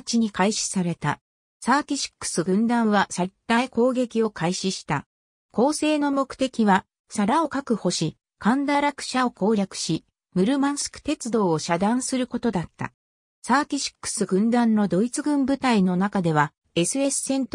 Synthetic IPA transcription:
t͡ɕiɲ̟ikaiɕi̥saɾe̞t̪a | saːkʲiɕi̥kːɯ̥sɨɡɯ̟̃nd̪ãɰ̃βasat̪ːaiko̞ːɡe̞kʲio̞kʰaiɕiɕi̥t̪a̰ | ko̞ːse̞ːno̞mo̞kɯ̟̥t̪e̞kʲiβa | saɾao̞kakɯ̟ho̞ɕi | kʰãnd̪aɾakɯ̥ɕaoko̞ːɾʲakɯ̟̥ɕi | mɯ̟ɾɯ̟mãɰ̃sɨ̥kɯ̟̥t̪e̞t͡sɨd̪o̞ːɕad̪ãɰ̃sɨɾɯ̟ko̞t̪o̞d̪at̪ːa̰ | saːkʲiɕi̥kːɯ̥sɨɡɯ̟̃nd̪ãnːo̞d̪o̞it͡sɨɡɯ̟̃mbɯ̟t̪aino̞nakad̪e̞β̞a | e̞sɨe̞sɨ̥sẽ̞nt̪

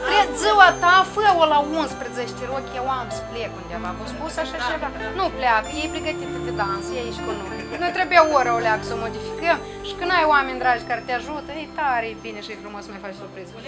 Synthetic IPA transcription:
t̪ɾed̪zɨwat̪afəolaunspɾezet͡ʃt͡ʃ̪ʲeɾokʲjewamsplekund̪eavafost̪pusaʃat͡ʃevanupleakəjejplʲiɡət̪ivɨp̪ed̪ansəjait͡ʃʲkunojnojt̪ɾebujaoɾaoleaɡəsəomo̞d̪ifi̥kəm | ʃi̥kɨnajoamenʲd̪ɾad͡ʒʲkaɾet̪ʲeaʒut̪əejt̪aɾʲejbineʃiɨjfɾumo̞smajfat͡ʃsurpɾiz

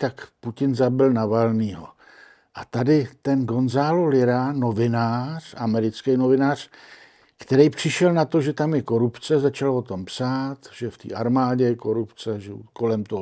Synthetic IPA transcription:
t̪akpucɪnzabɪlnavalniːɦo̰ | ʔat̪adɪt̪ɛnɡo̞nzaːlolɪɾano̞vɪnaːr̝̥amɛɾɪt͡skɛjno̞vɪnaːr̝̥ | kt̪ɛɾɛjpr̥ɪʃɛlnat̪o̞ʒɛt̪amjɛko̞ɾupt͡sɛzat͡ʃalvot̪o̞mpsaːt̪ʒɛft̪ḭːʔaɾmaːɟɛko̞ɾupt͡sɛʒɛko̞lɛmt̪oɦ

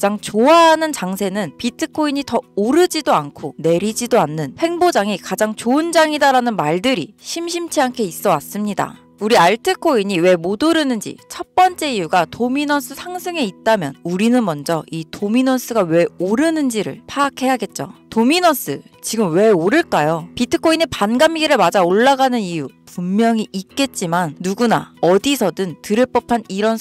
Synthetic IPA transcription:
kad͡ʑaŋt͡ɕoaɦanɯnt͡ɕaŋsʰe̞nɯnpitʰɯkʰoiɲitʌoɾɯd͡ʑidoankʰone̞ɾid͡ʑidoanːɯnhe̞ŋbod͡ʑaŋikad͡ʑaŋt͡ɕoɯnd͡ʑaŋidaɾanɯnmaɭdɯɾḭɕʰimɕʰimt͡ɕʰiɦankʰe̞is͈ʌwas͈ɯmɲida̰ | uɾiaɭtʰɯkʰoiɲiwe̞modɯɾɯnɯnd͡ʑḭt͡ɕʰʌp͈ʌnt͡ɕ͈e̞ijuɡatominʌs͈ʰɯsʰaŋsʰɯŋe̞it̚t͈amjʌ̰nuɾinɯnmʌnd͡ʑʌitominʌs͈ʰɯɡawe̞oɾɯnɯnd͡ʑiɾɯ̰ɭpʰaːkʰe̞jaɡe̞t̚t͡ɕ͈otominʌs͈ʰɯt͡ɕiɡɯmwe̞oɾɯɭk͈ajopitʰɯkʰoinepanɡamɡiɾɯɭmad͡ʑaoɭːaɡanɯnijupummjʌŋiʔːk̚k͈e̞t̚t͡ɕ͈imanːuɡuna̰ʌdisʰʌdɯntɯɾɯɭp͈ʌpʰaniɾʌn

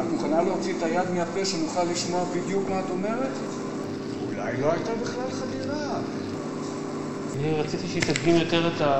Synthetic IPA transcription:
amuχanaleot͡sietajad̪meape̞ʃanuχalːiʃmoʁbid̪jukmaːto̞me̞ʁet | ula̰jlo̞ajtabiχlalχadiʁa | niʁat͡sit̪iʃeisadɡimjo̞t̪eʁet̪a

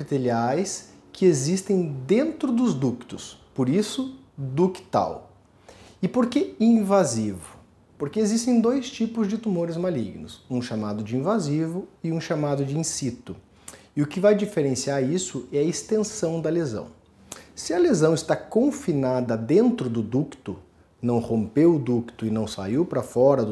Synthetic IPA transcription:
it̪eliajs | kʰɪezist̪ẽj̃d̪ẽnt̪ɾʊd̪ʊzd̪ukt̪ʊspoɾisʊ | d̪ʊkɪ̥t̪a̰w | ɪpoɾkeĩvazivʊ | poɾkeezist̪ẽj̃d̪ojst͡ʃipʊzd͡ʒɪt̪umoɾɪzmalḭɡnʊ̰sũʃamad̪ʊd͡ʒɪĩvazivʊɪũʃamad̪ʊd͡ʒɪĩsit̪ʊ | ɪʊkɪvajd͡ʒifeɾẽsiaɾisʊɛɐest̪ẽsɐ̃w̃d̪ɐlezɐ̰̃w̃ | sɪɐlezɐ̃w̃ɪst̪akõfinad̪ɐd̪ẽnt̪ɾʊd̪ʊd̪ukt̪ʊ | nɐ̃w̃hõmpewʊd̪ukt̪ʊɪnɐ̃w̃sa̰iwpɾɐfɔɾɐd̪

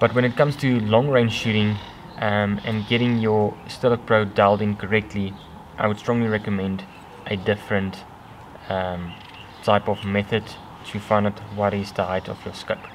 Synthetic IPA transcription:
b̥ʌtwə̃ñɨt̚kʰʌ̃mz̥tʰulɔ̃ŋɹẽɪ̃nʃʉɾɪ̃ŋ | ʔmə̃nɡɛɾɪ̃ŋjəstɪlək̚pʰɹodalˠdɪ̃ŋkʰəɹɛk̚tʰli | ʔaɪwəd̥stɹ̥ɔ̃ŋliɹɛkəmɛ̃nd | ʔədɪfɹə̃nt | mʰ | aɪpɔvmɛθəd | tʰɨfãɪndatwɔɾɪzðəhaɪtɔ̰vjəskəp

